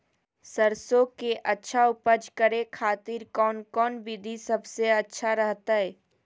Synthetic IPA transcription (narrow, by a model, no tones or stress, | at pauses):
səɾsokeʔɐtːʃʰaʊpəd͡ʒkəɾekʰaːt̪iːɾkɔːnkɔːnbɪd̪ʱisɐbseɐtːʃʰaɾəɦt̪aɦɛː